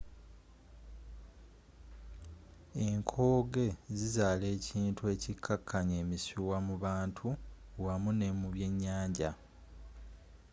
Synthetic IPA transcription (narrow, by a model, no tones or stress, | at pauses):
e̞ŋkʰo̞ːɡe̞zizaːle̞ːciːntue̞ːcikʰːakʰːaɲeːmisuwamuβaːntʰuwamune̞muβje̞ɲːaːɲɟa